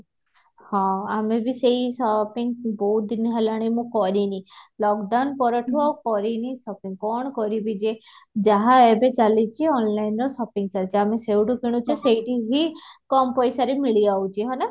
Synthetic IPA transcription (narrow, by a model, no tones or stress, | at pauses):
hɔ̃amebisejsɔpiŋboɦut̪̚d̪iniɦɛlaɽ̃imũkɔɾinilɔkɖawnpɔɾɔʈʰuɔkɔɾinisɔpiŋɡkɔɳ̃ɔkɔɾibid͡ʒed͡ʒaɦaebet͡ʃalit͡ʃʰiɔnlajnɾɔsɔpiŋɡt͡ʃalit͡ʃʰamesewʈukʰiɽ̃ut͡ʃʰesejʈiɦikɔmpɔjsaɾemiɭiawt͡ʃʰiɦɔna